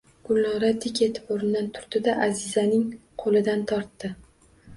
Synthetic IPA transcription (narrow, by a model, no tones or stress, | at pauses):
ɡ̥ʊlnɒɾad̪ɪkʲet̪ʰɪ̥poɾɪnd̪ant̪ʰʊ̥ɾd̪ɪd̪aʔazɪzanɪŋqʰolɪd̪ant̪ʰɒɾt̪ːɪ